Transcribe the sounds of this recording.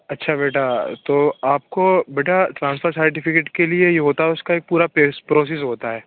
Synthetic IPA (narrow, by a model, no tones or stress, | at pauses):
ɐtːʃʰabeːʈat̪oːaːp̚kobeːʈʰaʈɾãːnsfəɾsɐɾʈ̬ɪfɪkeːʈkeliejeɦoːt̪aɦɛʊskaeːk̚puːɾapespɾoːs̬es̬ɦoːt̪aɦɛː